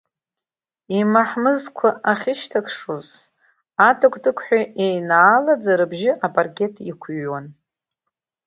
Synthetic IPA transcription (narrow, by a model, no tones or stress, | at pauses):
imaħmɨzkʷʰaʔaχʲɪʃtʰakʰʂuz | atʰakʷʼdɨkʷʰʼħʷᶣaʔejnaːlad͡zaɾɨbʒɪʔapʼarkʲʼe̞tʰikʷʰɥan